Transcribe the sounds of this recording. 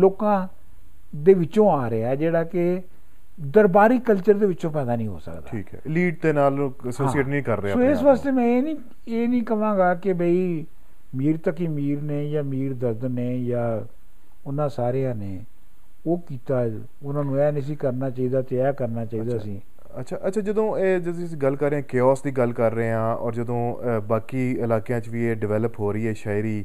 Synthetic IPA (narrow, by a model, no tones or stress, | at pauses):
loːkãː | d̪eːʋɪt͡ʃõːaːɾeɛːd͡ʒeːɽaːke | d̪əɾbaːɾiːkəlt͡ʃəɾd̪eːʋɪt͡ʃõːpɛːd̪aːnĩːɦo̰ːsə̰kd̪aʈʰːḭːkɛ̰liːɖd̪eːnaːləsoːieːʈnĩːkəɾːesoːɪsʋaːst̪eːmɛ̃ːeːnĩː | eːnĩːkəʋãːɡaːkɪbəiː | miːɾt̪əkiːmiːɾneːjaːmiːɾd̪əɾd̪neːjaː | ʊnãːsaːɾejãːneː | oːkiːt̪aː | ʊnãːnũːɛːnɪs̬iːkəɾnaːt͡ʃaːiːd̪aːt̪ɪɛːkəɾnaːt͡ʃaːiiːd̪aːsĩː | ətːt͡ʃʰaːʔətːʃʰaːd͡ʒəd̪õːeːd͡ʒəd̪õəsĩːɡəlkəɾːeːãːkeːɔːsd̪iːɡəlkəɾːəeãːɔ̰ːɾd͡ʒəd̪õːbaːkiːɪlaːkejãːt͡ʃʋiːeːɖɪʋɛːləpɦoːɾəiːɦɛːʃaːɪɾiː